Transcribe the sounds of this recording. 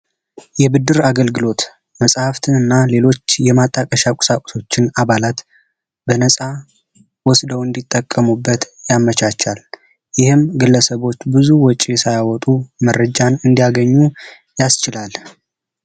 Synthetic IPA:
jɛbɨd̪ːɨɾaɡəlɡɨlo̞t̪ | məsʼhaft̪ʰɨnɨnːale̞lo̞t͡ʃːjɛmat̪ʼːakʼəʃakʼʊ̥sakʷʼʊ̥so̞t͡ʃːɪnaβalat̪ | bənəsʼa | wɔsd̪əwɨnd̪it̪ʼːəkʼːəmubːət̪jamət͡ʃat͡ʃːal | jɪhɨmɡɨlːəsəβo̞t͡ʃːbɨzuwɔt͡ʃʼiɛsajawɔt̪ʼuməɾːəd͡ʒanɨnd̪ijaɡəɲːu | jast͡ʃɪlal

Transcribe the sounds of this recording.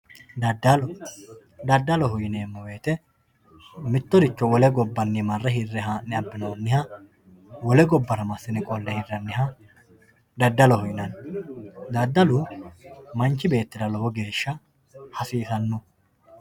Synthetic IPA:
d̪ɐd̪l | d̪ɐd̪ːɐlɔhʊjɪneːmːɔweːt̪ɛ | mɪt̪ːɔd̪ɪt͡ʃːɔwɔlɛɡɔbːɐnːimɐrːɐɦɪrːɛɦaːnːɪɐbːɪnɐwɐnːɪhɐ | wɔlɛɡɔbːɐɾɐmɐsːɪnɪkʼɔlːɛhɪrːɐnːɪhɐ | d̪ɐd̪ːɐlɔhʊjɪnɐn | d̪ɐd̪ːɐlʊ | mɐnt͡ʃːɪbe̞ːt̪ːɪd̪ɐlɔbɔɡe̞ːʃːɐ | hɐsiːsɐnːʊ

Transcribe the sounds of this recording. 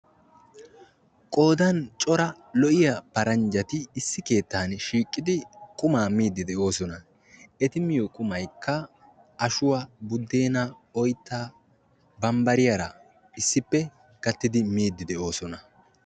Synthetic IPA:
kʼo̞ːd̪ɐnt͡ʃʼɔɾɐ | lɔʔɪjɐpɐɾɐnd͡ʒɐt̪ɪːsːɪke̞ːt̪ːaːnʃiːkʼːɪd̪ɪkʼʊmaːmiːd̪ːɪd̪ɛʔo̞ːsɔnɐ | ɛt̪ɪmɪjɔkʼʊmɐjkːɐ | ɐʃʊwabʊd̪ːeːnɐ | ɔjt̪ːaː | bɐmbɐɾɪjɐɾɐ | ɪsːɪpːɛ | ɡ̥ɐt̪ːɪd̪ɪmiːd̪ːɪd̪ɛʔo̞ːsɔnɐ

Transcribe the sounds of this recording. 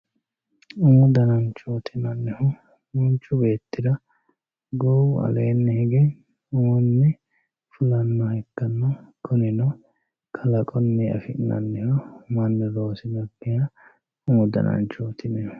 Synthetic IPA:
uːd̪ɐnɐnt͡ʃoːt̪ʰɪnɐnːɛhɔ | mʊnt͡ʃːʊbe̞ːt̪ːɪd̪ɐ | ɡɔwɐ̰leːnːɛhɛɡɛ | uːnːɛ | fʊlɐnːɔhɛkːɐnːɐkʰʊnɪnɔ | kʰɐlɐkʼɔnːɛɐ̰fɪnɐ̰nːɛhɔmɐnːɛɾo̞ːsɪnɐbɪjɐ | uːd̪ɐ̰nɐ̰nt͡ʃoːt̪ʰɪnɛ

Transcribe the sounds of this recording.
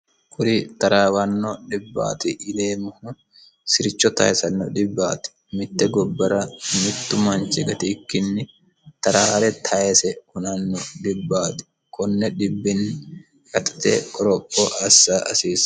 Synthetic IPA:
kʼʊɾit̪ɐɾaːwɐnːɔᶑɪbːa̰ːt̪ɪʔɪd̪eːmʊhʊ | sɪɾɪt͡ʃːɔt̪ɐ̰ɛsɐnːɔᶑ̪ɪbːaːt̪ɪ̥ | mɪt̪ːɛɡɔbːɐɾɐmɪt̪ːʊmant͡ʃɛɡɐt̪ɪkːɪnːɪ | t̪ɐɾaːɾɛt̪ʰɐʔɛsɛhʊnɐnːɔᶑ̪ɪbːaːt̪ɪ̥ | kɔnːɛᶑɪbːɪn | kɐt̪ʼt̪ɛ̰kʼɔɾɔpʼːɔʔɐsːaːʔɐsiːs

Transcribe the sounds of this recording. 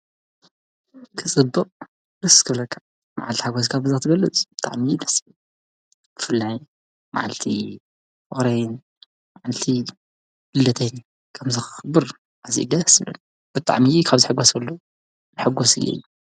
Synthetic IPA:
kʰɨt͡sʼɨbːɨqʼ | ɾɨskʰɨβlɐkʰːa | ma̰ʕalt̪i̥ħaɡos̬kʰabɨzɨt̪ʰɨɡɐlːɨt͡sʼb̥ɨt̪ʼa̰ʕminɐsi | kʰɨ̥fɨlːa | ma̰ʕalt̪ʰi | fɨxɾɐjn | maʕalt̪ʰi | lɨldɐt̪ʰɐjn | kʰɐmzɨxɨ̥xɨbɨɾ | ʕazḭɡɐsɨlɐ̰n | b̥ɨt̪ʼa̰ʕmikʰaβzɨħɨɡːosɐlːo | nɨħɨɡosɨ̰jʔḛju

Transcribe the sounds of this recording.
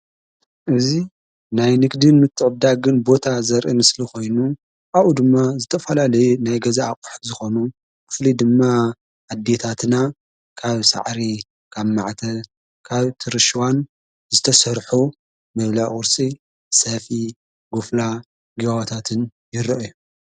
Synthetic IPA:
ʔɨzi | najnɨɡd̪ɨnmɨt̪ʰːɨʕbd̪aɡɨnbo̞t̪ʰazɐɾʔimɨsliko̞jnu | ʔaβʔud̪ɨmːazɨt̪ʰɐfɐlalɐjunajɡɐzaːkʼu̥ħt̪zɨxo̞nu | kʰɨ̥flid̪ɨmːa | ʔad̪ːe̞t̪ʰat̪na | kʰaβsa̰ʕɾi | kʰaβmaʕt̪ʰɐ | kʰaβt̪ʰɨɾɨʃwan | zɨt̪ʰɐsɐɾħu | mɐβlaʔʊɾsʼi | sɐfi | ɡufla | ɡiβawt̪ʰat̪ʰɨnjɪɾɐʔju

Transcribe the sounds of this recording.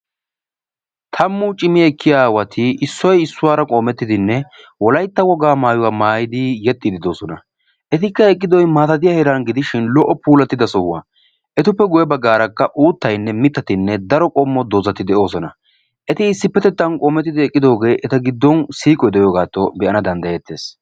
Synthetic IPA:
t̪ʰɐmːʊt͡ʃʼɪmɪɛkːɪjaːwɐt̪ʰɪɪsːɔjɪsːʊwaːɾɐkʼoːmɛt̪ːɪd̪ɪnːɛ | wɔlɐjt̪ːɐwɔɡaːmaːjʊwaːmaːjɪd̪ɪjɛt̪ʼːɪd̪ɪd̪o̞ːsɔnɐ̰ | ʔɛt̪ɪkːɐɛkʼːɪd̪ɔjmaːt̪ɐt̪̬ɪjɐhɛɾanɡɪd̪ɪʃɪnlɔʔːɔpuːlɐt̪ːɪd̪ɐsɔhʊwa̰ | ʔɛt̪ʊpːɛɡʊjɛbɐɡːaːɾɐkːɐʔuːt̪ːɐjnːɛmɪt̪ːɐt̪ɪnːɛd̪ɐɾɔkʼɔmːɔd̪oːzɐt̪ɪd̪ɛʔo̞ːsɔnɐ | ʔɛt̪ɪːsːɪpːɛt̪ɛt̪ːɐnkʼoːmɛt̪ːɪd̪ɪɛkʼːɪd̪o̞ːɡe̞ːʔɛt̪ɐɡɪd̪ːɔnsiːkʼɔjd̪ɛjoːɡaːt̪ːɔbɛʔɐnɐd̪ɐnd̪ɐjɛt̪ːe̞ːs

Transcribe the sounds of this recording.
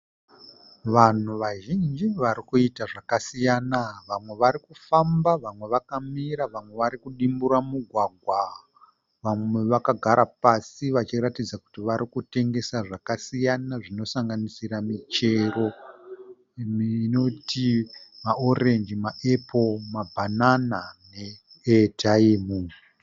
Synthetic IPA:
ʋan̤uʋaʒind͡ʒiʋaɾikuitaʐakasijanaʋamwe̞ʋaɾikufambaʋamwe̞ʋakamiɾaʋamwe̞ʋaɾikuɗimbuɾamuɡʱwaɡʱwa | ʋamwe̞ʋakaɡʱaɾʔapasiʋat͡ʃiɾatid͡zaku̥tiʋaɾikute̞ŋɡe̞saʐakasijanaʐino̞saŋɡanisiɾamit͡ʃe̞ro̞ | no̞tʰimao̞re̞nd͡ʒimaʔepʰo̞mabʱananane̞ | taimu

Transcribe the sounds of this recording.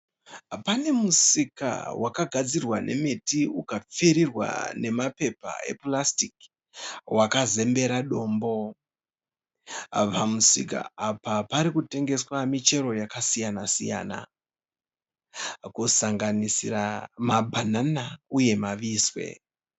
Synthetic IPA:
pane̞musika̰wakaɡʱad͡zirwane̞̰metiukap͡feɾirwa̰ne̞mape̞pa̰e̞̰plastik | wakaze̞mbe̞ɾaɗo̞ːmbo̞ | pamusḭka̰apapaɾikute̞ŋɡe̞swamit͡ʃe̞ɾo̞jakasijanasija̰ːna̰ | kusaŋɡanisiramabʱananauje̞maʋiːswe̞̰

